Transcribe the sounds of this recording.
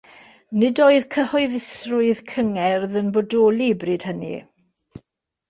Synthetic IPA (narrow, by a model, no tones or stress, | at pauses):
nɪdoːɨðkʰəhɔɨðɪsrʊɨðkʰəŋɛrðənbɔdoːlˠibrɨd̥hənḭ